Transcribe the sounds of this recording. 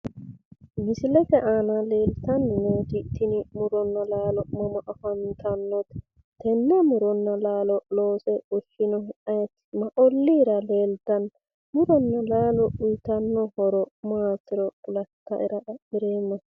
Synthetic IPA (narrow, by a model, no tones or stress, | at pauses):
mɪsɪlɛkɛʔaːnɐleːlt̪ɐnːɪneːt̪ɪt̪ːɪnɪmʊɾɔnːɐlaːlɔmɔmɔʔɐfɐnt̪ɐnːɔt̪ | t̪ɛnːɛmʊɾɔnːɐlaːlɔloːsɛɔʃɪnɔɐjɛt̪ːmɐʔɔlːiːɾɐleːlt̪ɐn | mʊɾɔnːɐlaːlɔʊjt̪ɐnːɔhɔɾɔmaːsɪɾɔpʊlɐt̪ːɐ̰ʔɪɾɐʔmɪɾeːmːɔ